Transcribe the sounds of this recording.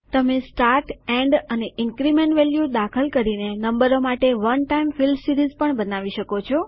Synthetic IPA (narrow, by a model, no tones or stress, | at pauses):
t̪əmesʈaɾʈɛ̃ɳɖəneɪŋkɾimeɳʈʋeljud̪akʰəlkəɾinenəmbəɾomaʈeʋənʈaimfilmsiɾizpəɳbənaʋiʃəkot͡ʃʰo